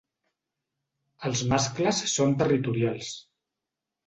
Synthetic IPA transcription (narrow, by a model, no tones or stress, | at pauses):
əlˠzmaskləsːont̪ərit̪uɾialˠs